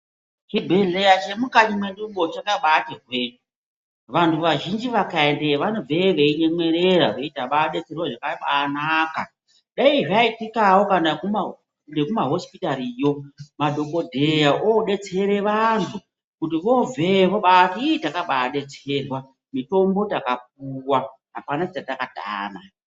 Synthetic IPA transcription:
t͡ʃibʱe̞ɮe̞jat͡ʃe̞mukaɲimwe̞nduɓo̞t͡ʃakaɓatirwe̞ːɲu | ʋantʰuʋaʒind͡ʒiʋakaendeʋanovʱeʋeiɲe̞mwe̞ɾeɾaʋeitaɓaɗe̞t͡se̞rwaʐakaɓanaːka̰ | ɗaiʐaitikawo̞kanakuma | ndekumaɦo̞spitaɾijo̞madʱo̞ko̞dʱejaʔoɗe̞t͡se̞ɾe̞ʋantʰu | kutiʋo̞veʋoɓatitakaɓaːɗe̞t͡se̞rwa | mito̞mbo̞takap̚uwa | ɦapanat͡ʃatakata̰ːna

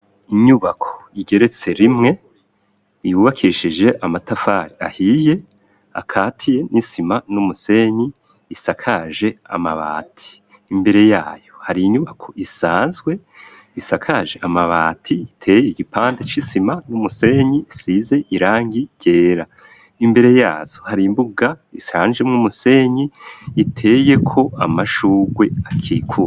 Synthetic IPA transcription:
iɲuβakʰo̥iɟeɾe̞t͡se̞ɾimŋe̞ | ijuβakʰiʃid͡ʒe̞ʔamatafaːɾia̰hije̞ | a̰kʰaːtʰije̞nʔisimanumuse̞ːɲiː | sakʰaʒe̞a̰maβa̰ːtʰi̥ː | mbe̞ɾe̞jaːjohaɾiiɲuβakʰo̞ʔisaːnzɡwe̞ | isakʰaʒe̞ʔamaβa̰ːtʰiitʰe̞jeiɡipaːndet͡ʃisimanumuse̞ɲisize̞ʔiɾaːŋɡiɟ̥e̞ːɾa | imbe̞ɾe̞jaːz̥ohaɾimbuɡaisaːnd͡ʒemŋumuse̞ːɲiːtʰe̞je̞kʰo̞a̰maʃuːɡwe̞akʰikʰua

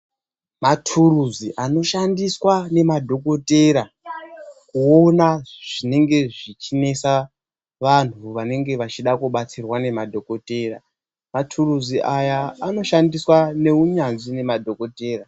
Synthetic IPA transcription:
matʰuruziʔano̞ʃandiswane̞madʱo̞ko̞te̞ɾa | kuo̞naʐ̥ine̞ŋɡe̞ʐit͡ʃine̞sa | ʋan̤uʋane̞ŋɡe̞ʋat͡ʃiɗakuɓat͡sirwane̞madʱo̞ko̞te̞ra | matʰuruziʔajaːno̞ʃandiswane̞uɲanzine̞madʱo̞ko̞te̞ːra

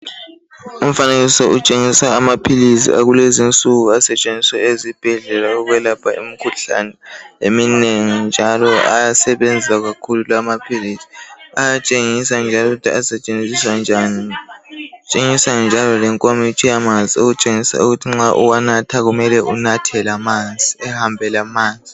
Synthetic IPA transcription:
um̩faneɣisɔʔut͡ʃʼeŋisaːmapʰilisḭʔa̰ɣulezint͡sʼuɣuasɛt͡ʃʼend͡zʱiswɛezib̥ʱɛɮɛlauɣwɛlapʰaʔḭmikʰuɬa̰nɛemineŋind͡ʒʱalɔa̰jasɛβend͡zʱisaɣakʰululamapʰilisi̥ajat͡ʃʼeŋisand͡ʒʱaloɣutʰiasɛt͡ʃʼend͡zʱiswand͡ʒʱani | t͡ʃʼeŋisand͡ʒʱalɔlɛŋkʼomit͡ʃʼijamand͡zʱiuɣut͡ʃʼeŋisa̰uɣutʰiŋ͡ǁaʔṵwanatʰaɣumɛlɛʔunatʰɛlamand͡zʱiɛhambʱɛlamaːnd͡zʱi

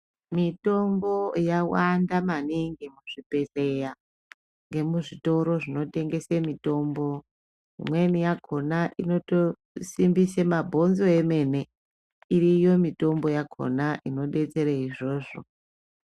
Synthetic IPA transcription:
mito̞mbo̞jawandamaniŋɡimuʐ̥ipe̞seja | ŋɡe̞muʐito̞ɾo̞ʐino̞te̞ŋɡe̞semito̞mbo̞ | ɦḭmwe̞nijakʰo̞naʔino̞to | simbisemabʱo̞nzo̞eme̞ne̞ | irijo̞mito̞mbo̞jakʰo̞̰naʔino̞ɗe̞t͡se̞ɾeiʐo̞ːʐo̞

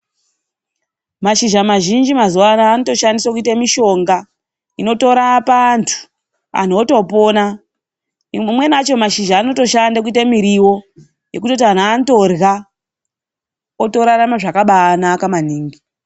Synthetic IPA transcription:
maʃiʒamaʒind͡ʒimazuwanaːnoto̞ʃandiswakuitamiʃo̞ŋɡa | ino̞to̞ɾapantʰu̥ | a̰n̤oto̞po̞na | imwe̞nat͡ʃo̞maʃiʒaːno̞to̞ʃandak̬uitamiɾiwo̞ | je̞kuto̞t̬ian̤anoto̞rɣa | oto̞ɾaɾamaʐakaɓanakaman̤iːŋɡi

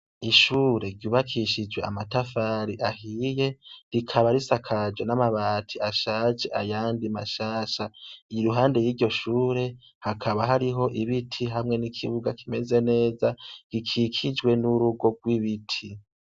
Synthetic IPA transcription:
iʃuːɾe̞ɾɟuːβakʰiʃid͡ʒwe̞amatafaːɾiʔahije̞ɾikʰaβaɾisakʰad͡ʒwenamaβaːtʰiaʃaːd͡ʒe̞ʔajaːndimaʃaːʃajiɾuɦaːnde̞jiːɾɟo̞ʃuːɾe | hakʰaβaɦaɾiɦo̞ʔiβitʰiɦamŋe̞nikʰḭβuɡakʰime̞ze̞ne̞ːzaɾikʰikʰid͡ʒwe̞nuɾuɡo̞ɡwiβitʰi

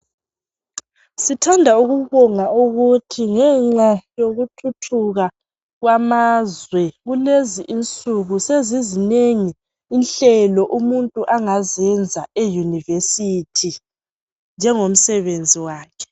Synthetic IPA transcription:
sitʰandʱauɣuβɔŋauɣutʰiŋɛŋ͡ǁajoɣutʰutʰuɣa | ɣwamazwɛɣuleziʔint͡sʼuɣusezizineŋiː | nɬɛlɔʔumuntʼuʔaŋazɛnd͡zʱaejunivesitʰi | nd͡ʒʱɛŋom̩sɛβend͡zʱiwaːkʰɛ̥

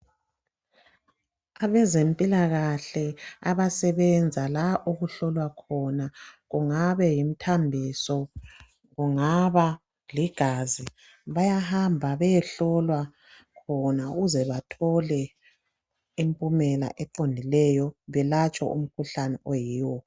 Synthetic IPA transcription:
aβɛzempʼilaɣaɬɛaβasɛβɛnd͡zʱalaʔoɣuɬɔlwakʰɔnaɣuŋaβɛjim̩tʰambʱisɔ | ɣuŋaβa | liɡ̥ʱazi | βajahambʱaβɛjɛɬɔlwa | kʰɔnauɣuzɛβatʰɔlɛ | impʼumɛla̰ʔɛǃondʱilɛjɔβɛlat͡ʃʼɔ̰ʔṵm̩kʰuɬanɛʔojiːwɔ

